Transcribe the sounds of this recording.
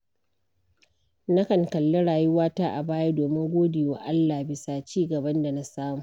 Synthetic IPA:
na˦kɐ˨ŋkɐ˨lːe˦ɽaː˨ju˦waː˦taː˦ʔa˨baː˦ja˦doː˨mɪ˦ŋɡʷoː˦deː˨waː˦ʔa˦lːaː˨hbɪ˨saː˨t͡ʃiː˦ɡɐ˨bɐ˦nda˨na˦saː˦muː˨

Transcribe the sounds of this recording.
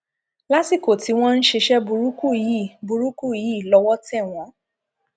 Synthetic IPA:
la˦si˦˨ko˨ti˨˧˦w̃ɔ̃˦n̩˦ʃe˧ʃɛ˦bu˧ɾu˦ku˦˨ji˦˨bu˧ɾu˦ku˦˨ji˨˦i˦˨lɔ˧˦wɔ˦tɛ˦˨w̃ɔ̃˨˧˦

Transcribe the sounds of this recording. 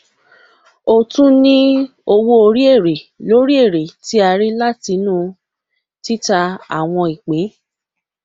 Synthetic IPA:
o˨tũ˦nĩ˦ | o˧wo˧o˧ɾi˦e˦˨ɾe˨lo˨˦ɾi˦e˦˨ɾe˨ti˦a˧ɾi˦la˦ti˧nũː˦˨ | ti˦ta˧a̰˦˨w̃ɔ̃˧i˨k͡pẽ˨˦

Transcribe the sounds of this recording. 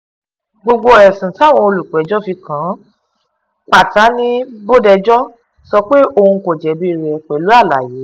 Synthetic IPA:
ɡ͡bo˧ɡ͡bo˧ɛ˨sĩ˨ta˦˨w̃ɔ̃˧o˧lu˨k͡pɛ˨˦d͡ʒɔ˦fi˧kã˨˦ | k͡pa˦˨ta˨˦nĩ˦bo˦dɛ˧d͡ʒɔ˦ | sɔ˧k͡pe˦o˧hũ˧ko˨d͡ʒɛ˨˦bi˦˧ɾɛ˧k͡pɛ˨lu˨˦a˦˨la̰˨jeː˨˦

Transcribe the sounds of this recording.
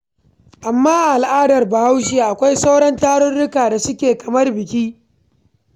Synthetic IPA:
ʔa˨mːaː˦ʔʔa˨lʔaː˦dɐ˨rba˨ha˦wʃ̬ɪ˦a˨ʔa˨kʷa˦jsa˦wɽɐ˦ntaː˦ɽʊ˦nɽʊ˦kaː˨da˨sʊ˦kʲeː˨kɐ˨mɐ˦rbɪ˨kʲiː˦

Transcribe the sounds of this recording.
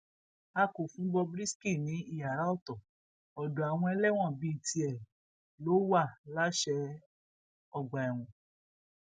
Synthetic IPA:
a˧ko˨fũ˨˦ɡ͡bɔ˧bɾi˦ski˦˨nĩ˨˦i˦˨ja˨ɾa˨˦ɔ˦˨tɔ˨ | ɔ˨do˨a˨w̃ɔ̃˧ɛ˧lɛ˦w̃ɔ̃˦˨bi˦˨ti˧ɛ˨ | lo˨˦wa˦˨la˦ʃɛ˧˦ | ɔ˦˨ɡ͡ba˨ɛ˨w̃ũ˨

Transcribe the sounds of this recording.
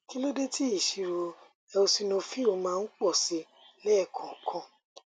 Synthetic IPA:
ki˦lo˦de˦ti˦i˦˨ʃi˨ɾo˨˧ | ɛ˧o˧si˧nõ˧fi˦o˧mãː˦˧n̩˦k͡pɔ˦˨si˨˦ | lɛ˦˨kʰɔ̃˨kʰɔ̃˧

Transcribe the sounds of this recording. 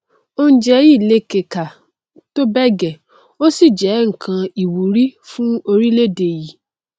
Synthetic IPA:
o˦n̩˦d͡ʒɛ˧˦ji˦˨le˧˦ke˨ka˨ | to˦bɛ˦ɡɛ˨ | o˦si˦˨d͡ʒɛ˨˦ŋ̩˨kʰã˧i˨wu˨ɾi˦fũ˦o˧ɾi˦le˦de˨ji˨˦

